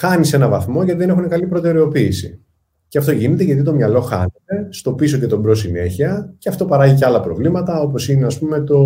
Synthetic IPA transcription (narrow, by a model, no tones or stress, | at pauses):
xɐnise̞nɐvɐθmo̞ʝɐt̪iðe̞ne̞xune̞kɐlipɾo̞t̪e̞ɾe̞o̞piːsḭ | ceɐft̪o̞ʝinet̪eʝɐt̪it̪o̞mɲɐlo̞xɐ̰net̪e̞st̪o̞pisocet̪o̞bɾo̞sine̞çiɐceɐft̪o̞pɐɾɐʝiceɐlɐpɾovlimɐt̪ɐo̞po̞sineɐspume̞t̪o̞